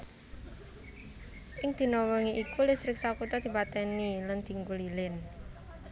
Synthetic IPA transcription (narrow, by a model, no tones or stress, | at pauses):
ʔɪŋd̪̥i̤nɔwɔŋiʔikulɪsɾɪk̚sɔkut̪ɔd̪̥i̤pat̪ɛniland̪̥i̤ŋɡulilɪn